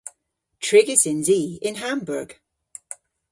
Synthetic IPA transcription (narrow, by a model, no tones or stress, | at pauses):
tʰɹ̥ɪɡɪzɪ̃nziɪ̃nɦãmbəɹɡ̥